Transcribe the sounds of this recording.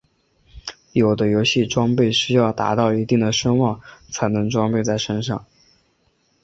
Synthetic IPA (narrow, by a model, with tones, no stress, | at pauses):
jo˨˩ʊd̪ə˦jo˧˥ʊɕi˥˩ʈ͡ʂwɑ˥ŋpe˥˩ɪʂɻ̩˥˧jɑ˥˩ʊt̪a̰˧˥t̪ɑ˥˩ʊi˧˥t̪i˥˩ŋd̪ə˩ʂɤ˥ŋwɑ˥˩ŋt͡sʰa˧˥ɪnɤ˧˥ŋʈ͡ʂwɑ˥ŋpe˥˧ɪt͡sa˥˩ɪʂə˥nʂɑ˥˩ŋ